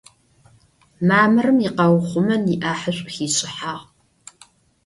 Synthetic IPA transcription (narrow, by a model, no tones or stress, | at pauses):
maːmɨrɨmiqɐwχʷʊmɐniʔaːħəɕʷʼxiːɕʼɪħaːʁ